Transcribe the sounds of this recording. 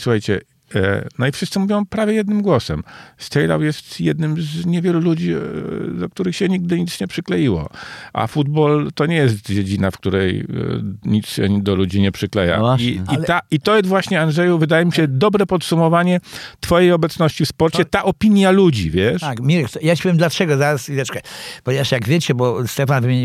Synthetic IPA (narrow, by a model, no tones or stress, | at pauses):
suxajt͡ɕɛ̰ | nɔifʂɘst̪sɘmuvʲjɔ̃pɾavʲjɛjɛd̪̚nɘmɡwɔsɛ̰mst̪ɛjla̰wjɛst̪jɛd̪nɘmzɲɛvʲjɛlulud͡ʑid̪ɔk̚t̪uɾɘxɕɛɲiɡ̚d̪ɘɲit̪sɲɛpʂɘklɛjiwɔ̰ʔa̰fud̪bɔlt̪ɔɲɛjɛs̬t̪d͡ʑed͡ʑinafkt̪uɾɛj | ɲit̪sɕɛ̰d̪ɔlud͡ʑiɲɛpʂɘklɛja̰iiait̪ɔjɛst̪vwaɕɲɛanʐɛjuvɘd̪ajɛmʲiɕɛd̪ɔbɾɛpɔt̪sumɔvaɲɛt̪fɔjejɔbɛt̪snɔɕt͡ɕifspɔɾt͡ɕɛt̪aʔɔpʲiɲjalud͡ʑḭvʲjɛʂakmʲiɾk̪jat͡ɕe̥pɔvjemd̪lat͡ʂɛɡɔzaɾasid̪ɛt͡ʂɛ̥kajpɔɲevaʂjaɡvʲjet͡ɕɛbɔst̪ɛfanvɘmʲeɲi